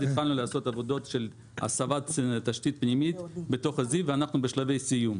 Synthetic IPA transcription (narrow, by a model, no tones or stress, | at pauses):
ditχalnuleaso̞t̪avo̞d̪o̞t̪ʃel | a̰savat̪t̪aʃt̪it̪̚pnimit̪bet̪o̞χaziveanaχnubeʃlave̞jsijum